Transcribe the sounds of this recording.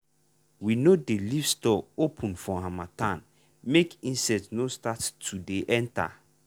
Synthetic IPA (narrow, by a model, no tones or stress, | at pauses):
winodelifstɔopʰũnfɔ̃hãmatãn | mekĩnsɛtnostatːʰudeʔɛnta̰